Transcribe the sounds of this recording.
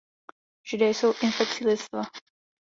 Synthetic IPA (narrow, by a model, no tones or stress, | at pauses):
ʒ̥ɪdɛjsowʔɪnfɛk̚t͡sɪlɪst̪va